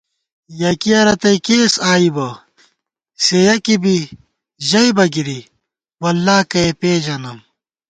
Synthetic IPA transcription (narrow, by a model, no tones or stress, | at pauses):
jɐkijɐɾɐt̪ɐikeːsaːibɐ | sejɐkibi | ʑɐjbɐɡiɾi | wɐlːaːkɐepeːd͡ʑɐnɐm